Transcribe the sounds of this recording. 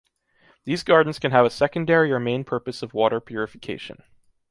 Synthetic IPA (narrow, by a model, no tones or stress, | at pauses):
ðizɡɑɹdⁿn̩z̥kʰɨ̃nɨvɨsɛkɨ̃ndɛɹiə˞mẽɪ̃npʰɜ˞pɨsʌvwɔɾə˞pʰjʊɹɨfɨ̥kʰeɪʃɨ̰̃n